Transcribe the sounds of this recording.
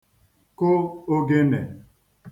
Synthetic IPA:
ko˦o˦ɡe˦ne˨

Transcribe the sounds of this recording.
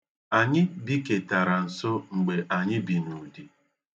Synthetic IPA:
a˨ɲɪ˦bi˦ke˨ta˨ɾa˨n̩˨so˦ŋ͡m̩˨ɡ͡be˨ʔa˨ɲɪ˦bi˨nu˨di˦

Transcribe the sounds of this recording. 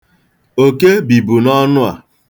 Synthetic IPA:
o˨ke˦bi˨bu˨nɔ˦nʊ˦a̰˨

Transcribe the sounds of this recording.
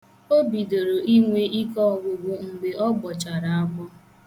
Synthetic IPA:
o˦bi˨do˨ɾo˨i˦ŋʷe˦i˦kɔ˦˨ɡʷʊ˨ɡʷʊ˦ŋ̩˨ɡ͡be˨ʔɔ˦ɡ͡bɔ˨t͡ʃa˨ɾa˨a˦ɡ͡bɔ˦

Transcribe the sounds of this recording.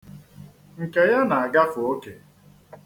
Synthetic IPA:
ŋ̩˨ke˨ja˦na˨a˨ɡa˦fʊ˨o˦ke˨

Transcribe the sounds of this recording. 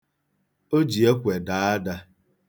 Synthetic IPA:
o˦d͡ʒi˨e˦kʷe˨da˨a˦da˦

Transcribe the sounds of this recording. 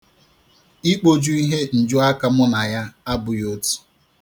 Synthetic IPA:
i˦k͡po˦d͡ʒu˦i˦ɦe˦n̩˨d͡ʒʊ˦a˦ka˦mʊ˦na˨ja˦a˦bʊ˨jo˦tu̥˨

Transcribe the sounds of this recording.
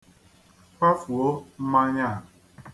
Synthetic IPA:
ka˦fu˨o˦m̩˦ma˦ɲa˦˨

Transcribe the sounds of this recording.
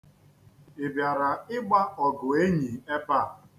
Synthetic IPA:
e˨bja˨ɾa˨ɪ˦ɡ͡ba˦ɔ˨ɡʊ˨e˦ɲi˨e˦pa˦˨

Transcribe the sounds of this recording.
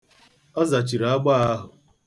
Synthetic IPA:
ɔ˦za˨t͡ʃi˨ɾa˦ɡ͡ba˦a˦ɦʊ˨

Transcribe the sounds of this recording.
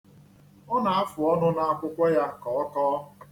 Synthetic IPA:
ɔ˦na˨a˦fʊ˨ɔ˦nʊ˦na˦˨a˦˨kʷʊ˦kʷa˦ja˦kɔ˨ɔ˦kɔː˦

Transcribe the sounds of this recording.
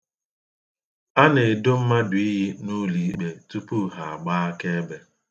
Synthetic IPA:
a˦ne˨dʊ˦m̩˦ma˦dʊ˨i˦ɦi˦nu˦li˨˦k͡pe˨tu˦pu˦ɦa˨a˨ɡ͡ba˦a˦ke˦be˦

